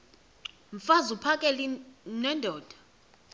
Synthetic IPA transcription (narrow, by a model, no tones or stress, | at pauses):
ɱfazupʰakʼɛlinwɛndʱɔːd̥ʱḁ